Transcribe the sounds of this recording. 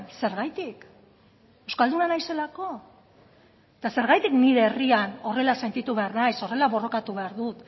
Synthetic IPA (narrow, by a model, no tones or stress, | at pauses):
se̞ɾɣajt̪ik | ewskald̪unanajse̞lako̞ | t̪ase̞ɾɣ̞ajt̪ikniɾe̞ːriano̞re̞lase̞nt̪it̪uβe̞aɾnajso̞re̞laβo̞ro̞kat̪uβe̞aɾðut̪